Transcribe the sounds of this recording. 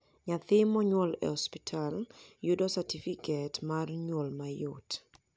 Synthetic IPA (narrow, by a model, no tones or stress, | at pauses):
ɲat̪ɪmɔɲwɔlɛ̰ɔspitʰaljʊdɔsatifikʰɛtmarɲwɔlmajʊt